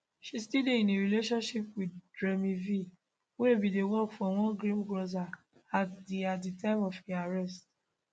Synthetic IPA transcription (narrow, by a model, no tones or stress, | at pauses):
ʃistideĩneɾileʃɔ̃nʃipwiddɹemivi | webidewɔkfɔw̃ɔ̃ɡɾĩmɡɾoza | atdeatditãɪ̃mɔfiaɹɛst̚